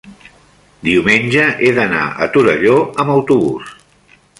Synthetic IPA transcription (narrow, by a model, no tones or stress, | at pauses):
d̪iwmenʲʒəʔeðəna̰ʔə̰t̪uɾəʎoəməwt̪uβus